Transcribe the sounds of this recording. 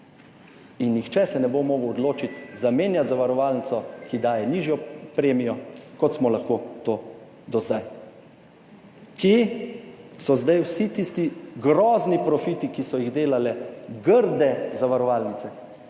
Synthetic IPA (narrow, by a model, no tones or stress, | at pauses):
inːixt͡ʃɛsɛnɛbomoːɡəwɔd̪loːt͡ʃit̪zameːnjat̪zaʋaɾɔʋaːlnit̪sɔkid̪aːjɛniːʒjɔpɾeːmijɔkɔt̪smɔlaxkoːt̪oː | d̪ɔzaj | ki | sɔzd̪ajwsit̪ist̪iɡɾɔːznipɾɔfiːt̪ikisɔjiɣd̪eːlalɛɡəɾd̪ɛzaʋaɾɔʋaːlnit̪sɛ